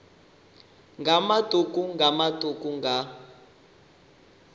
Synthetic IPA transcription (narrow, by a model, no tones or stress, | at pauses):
ŋɡamad̥ʱukuŋɡʱamadʱukuŋɡʱa